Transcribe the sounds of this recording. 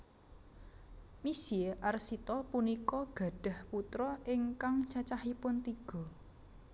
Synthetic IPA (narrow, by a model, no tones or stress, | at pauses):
misieʔarsit̪ɔpunikɔɡ̥ä̤ɖ̪̥a̤hput̪ɾɔɪŋkaŋt͡ʃat͡ʃahipʊnt̪iɡ̥ɔ̤